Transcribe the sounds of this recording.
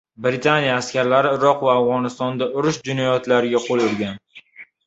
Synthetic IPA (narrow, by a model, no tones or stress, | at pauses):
bɾɪt̪ʰanijaːskʲaɾlaɾɪɪɾɒqvaːvʁɒnɪst̪ɒnd̪aʔʊɾʊʃd͡ʒɪnajɒt̪laɾɪɡʲaqʰolˠʊɾɡʲan